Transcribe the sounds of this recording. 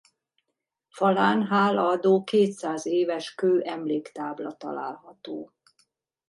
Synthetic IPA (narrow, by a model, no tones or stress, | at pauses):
fɒlaːnɦaːlɒɒd̪oːkeːt̪saːzeːvɛʃkøːʔɛmleːkt̪aːblɒt̪ɒ̰la̰ːlɦɒt̪oː